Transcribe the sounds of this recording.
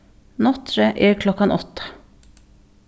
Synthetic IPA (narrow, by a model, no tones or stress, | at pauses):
nɔt̪ʰɾəʔeːɾkʰlɔkɑnʔɔt̪ə̥